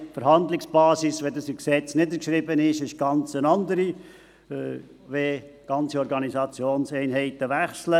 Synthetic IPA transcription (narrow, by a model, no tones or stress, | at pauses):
fəɾhɑnd̪lɪksb̥ɑːsisʋɛd̪ɑsɪksɛt͡snɪd̪əɾkʃɾɪbənɪʃɪʃɡ̥ɑnt͡sənɑnd̪əɾi | ʋeɡ̥ɑnt͡siɔɾɡɑnisɑt͡sjoːnsɛɪnɦɛɪt̪əʋæχslə